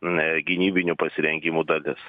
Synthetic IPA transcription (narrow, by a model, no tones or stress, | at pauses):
ɡʲɪnʲiːbʲɪnʲupɐsʲɪɾʲɛŋʲɡʲɪmuːd̪ɐlʲɪs